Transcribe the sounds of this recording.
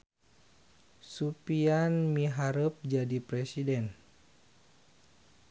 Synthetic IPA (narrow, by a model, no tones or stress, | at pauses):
supianmiɦaɾəp̚d͡ʒadipɾɛsidɛn